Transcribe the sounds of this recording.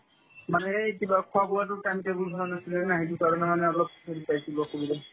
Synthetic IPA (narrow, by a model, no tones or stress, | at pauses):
manɛetibakʰʊabʊat̬ʊkantɛbubʱaɔnasilɛnaɦitukaɹɔnamanɛɔlɔp̚sʰeɾipajsibakobilɛ